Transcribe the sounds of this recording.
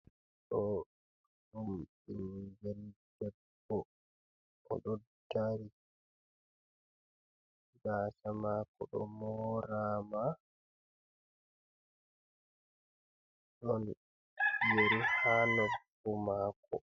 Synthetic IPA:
ɗɔ | ɗumɓinbɛldɛbːɔ | ɔ̰ɗɔdaɾi | ɡaːsamakɔɗɔ̰mɔɾama | ɗɔn | jeɾihanɔb | umaːkɔ̰

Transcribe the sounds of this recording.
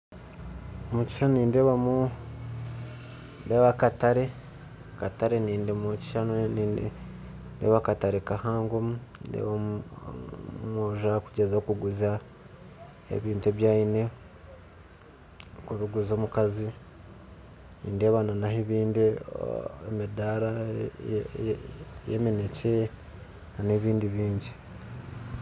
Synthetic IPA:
omuci̥ʃanoniːnde̞ːβamu | ndeːβakataɾe̞ | kataɾeniːndemuci̥ʃanoniːnde | ndḛβakataɾekahaːŋɡomuːndḛβa | moʒakuɟezakuɡuza | ḛβiːntueβjaːine̞ | kuβiɡuzo̞ːmukazi | nḭːndeβananaheβiːndi | ḛmidaɾa | jḛminece | naneβiːndiβiːɲɟi̥

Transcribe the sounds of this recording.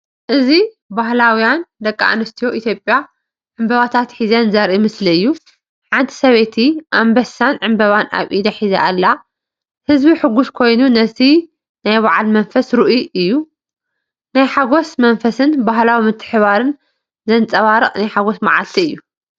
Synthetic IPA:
ʔɨzi | baɦlawijand̪ɐkʼːa̰ʔa̰nɨst̪ʰijo̞ʔit̪ʰjo̞pʼːja | ʕɨmbɐβat̪ʰat̪ħizɐnzɐɾʔimɨsliɨjːu | ħʕant̪ʰi̥sɐβet̪ʰiʔambɐsanʕɨmbɐβana̰βʔid̪aħiza̰ʔalːa | hɨzbiħɨɡuskʰo̞jnunɐt̪ʰi | najβaʕalmɐnfɐsɾɨʔuʔɨjːu | najħaɡosmɐnfɐsɨnbaɦlawimɨt̪ʰːɨ̥ħɨβaɾɨn | zɐnt͡sʼɐβaɾɨχʼnajħaɡosmaʕa̰lt̪ʰiɨjːu

